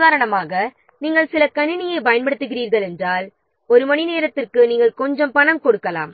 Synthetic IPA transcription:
ðaːɾɐɳɐmaːɣɐ | niːŋɡɐɭsɪlɐkɐɳɪnɪjɐɪpɐjɐnpɐɽɯt̪ːɯɣɪriːɾɣɐɭɛndraːl | ɔɾɯmɐɳineːɾɐt̪ːɪrkɯniːŋɡɐɭkɔɲd͡ʒɐmpɐɳɐmkɔɽɯkːɐla̰ːm

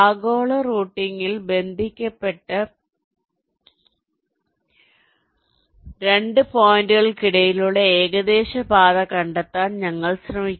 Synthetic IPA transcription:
aːɡo̞ːɭɐruːʈːiŋːilbe̞nd̪ʱikʲːɐpːe̞ʈːɐ | ɾe̞ɳɖɨpoːjindɨɣɐɭkiɽɐjiluɭːɐeːɣɐd̪e̞ːɕɐbaːðɐkɐɳɖɐt̪ːaːnɲɐŋːɐɭsrɐmikʲː

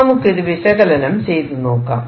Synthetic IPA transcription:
ɐmɯkːiðɯʋɪsɐɣɐlɐlɐmsejt̪ɯnoːkːa̰ːm

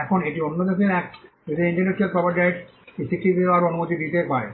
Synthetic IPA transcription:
ɛkʰoneʈionːod̪eseɛk | ed̪eiɳʈɐɾnɛʃialpɾɔpɐɾɖajɖ | isikʈibeaɾonubot̪id̪it̪epae

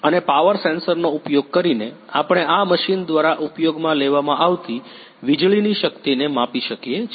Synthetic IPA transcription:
ənepaʋəɾsensəɾnoupjoɡ̚kəɾine | apɽ̃eaməʃind̪ʋaɾaʔupjoɡmãleʋamãʔaʋt̪i | ʋid͡ʒɭiniʃəkt̪inemapiʃəkje

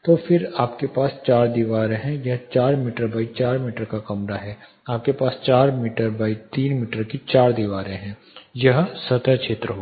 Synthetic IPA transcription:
t̪oːfʰɪɾaːpkepaːst͡ʃaːɾd̪iʋaːɾẽɦɛ̃jɐɦt͡ʃaːɾmiːʈəɾbaːit͡ʃaːɾmiːʈəɾkakɐmɾaɦɛː | aːp̚kepaːst͡ʃaːɾmiːʈəɾbaːit̪iːnmiːʈəɾkit͡ʃaːɾd̪iʋaːɾẽɦɛ̃ː | jɐɦsɐt̪əkʃʰeːt̪ɾəɦo

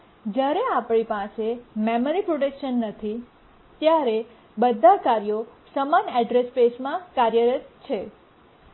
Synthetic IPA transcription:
d͡ʒjaɾeapɽipasememəɾipɾoʈekʃənːət̪ʰi | t̪jaɾe | bəd̪ʱakaɾijosəmanɛɖɾespesmãkaɾjəɾət̪t͡ʃʰe

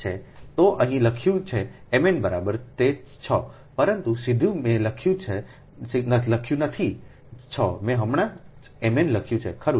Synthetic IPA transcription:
t͡ʃʰet̪oʔəɦĩləkʰjũt͡ʃʰeːmenbəɾabəɾt̪e | t͡ʃʰɔ | pəɾənt̪usid̪ʱjũmẽləkʰjũt͡ʃʰe | sinələkʰjũnət̪ʰi | t͡ʃʰɔmẽɦəmɽ̃ã | emenləkʰjũt͡ʃʰḛkʰəɾũ

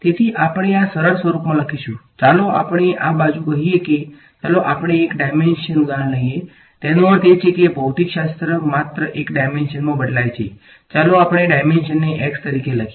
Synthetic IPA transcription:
t̪et̪ʰiʔapəɽ̃easəɾəɾsʋəɾupmãləkʰiʃũt͡ʃaloa̰pəɳ̃eʔabad͡ʒũkəɦieke | t͡ʃaloʔapəɳ̃eːkɖajmenʃənud̪aɾəɳləɦije | t̪enoəɾt̪et͡ʃʰekebʱəwt̪ikʃast̪ɾəmat̪ɾəʔekɖajmenʃənmãbəɖlajt͡ʃʰe | t͡ʃaloapɽ̃eɖajmenʃənːeʔɛkst̪əɾikeləkʰ

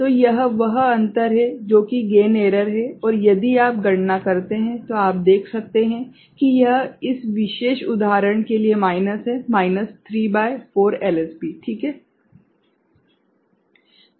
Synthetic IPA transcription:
t̪oːjɐɦʋɐɦɐ̃nt̪əɾɦɛd͡ʒoːkiɡeːneːɾəɾɦɛɔːɾjɐd̪iaːp̚ɡɐɽ̤nakɐɾt̪eɦɛ̃t̪oaːp̚d̪eːkʰsɐk̚t̪eɦɛ̃ | kijɐɦɪsʋɪʃeːʃʊd̪aːɾəɽ̃keliemaːɪnəsɦɛmaːɪnəst̪ʰɾiːbaːɪfoːɾɛːlɛspiːʈʰiːkɦɛː

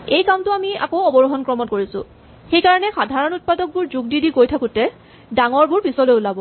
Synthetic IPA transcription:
ejkamtʊamia̰kowɔbɔɹuɦɔnkɹɔmɔnkoɹisʊ̰̃ | xejkaɹɔnɛxadʱaɹɔnut̚padɔk̚buɹzuɡ̚didikojtʰakutɛ | daŋɔɹbʊɹpisɔlojʊlabɔ

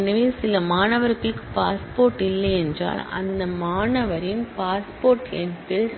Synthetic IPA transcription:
nɐʋeːsɪlɐmaːnɐʋɐɾɣɐɭɯkːɯ̥paːspoːɾʈɪlːɐɛndra̰ːlɐ̰nd̪ɐmaːnɐʋɐɾɪnpaːspoːɾʈɛntɪl

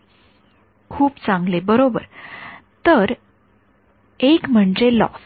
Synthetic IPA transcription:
kʰuːpt͡sãŋɡlebəɾobə̰ɾt̪əɾ | ekm̤əɳd͡ʑelɔ̰s

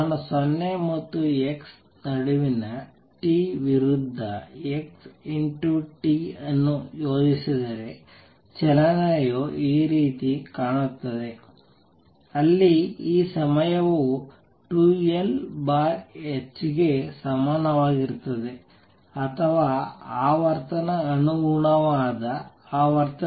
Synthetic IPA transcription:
naːnusɐnːemɐt̪ːueks | nɐɽuʋinɐ | ʈiʋiɾud̪ʱːɐekseɳʈjuʈiɐnːujoːd͡ʒisid̪ɐɾe̞ | t͡ʃɛlɐnaːjoʔiːɾiːt̪ikaːɳut̪ːɐd̪e̞ | ɐlːiiːsɐmɐjɐʋo | ʈuːelbaːet͡ʃɡesɐmaːnɐʋaːɡiɾɯt̪ːɐðe | ɐt̪ʰɐʋaːaːʋɐɾt̪ɐnɐːnuɡuɳɐʋaːd̪ɐ | aːʋɐɾt̪ɐ

